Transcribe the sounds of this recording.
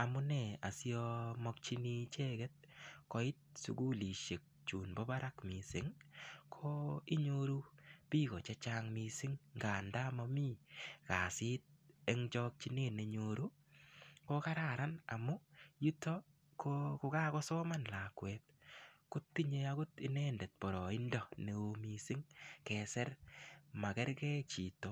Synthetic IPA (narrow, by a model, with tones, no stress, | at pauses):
a˨mʊ˦nɛ˦˨a̰˨si˦ɔ˧mɔ˦k̚t͡ʃi˦ni˦t͡ʃe˦ɡɛ˦t̚kɔ˨ɪ˦t̚sṵ˨ɡu˦li˨ʃe˨k̚t͡ʃu˨nbɔ˦ba˦ɾa˦kmi˨sɪ˨ŋkʰo˦i˦ɲoɾu˦pi˦ɣɔ˨t͡ʃɛ˦t͡ʃa˦ŋmi˧sɪ˦ŋɡa˨nda˦mɔ˧mi˦ka˨sɪ˦t̚ɛ˦ŋt͡ʃɔ˦k̚t͡ʃi˦ne˦˨ne˨ɲo˨ɾu˦ | ko˦ka˦ɾa˦˨ɾa˦na̰˨mʊ˦ju˦tɔ˦ | kokʊ˦ka˦ɣɔ˦sɔ˦ma˦nla˨kwɛt̪̚kʊ˦tːi˦ɲe˦a˦ɡʊ˦tɪ˨nɛ˦ndɛ˨t̚pɔ˨ɾɔ˨ɪ˦ndɔ˦ne˨o˨mi˨sɪ˦ŋkɛ˨sɛ˦ɾma˨kɛ˦ɾɡɛ˦t͡ʃi˨to˨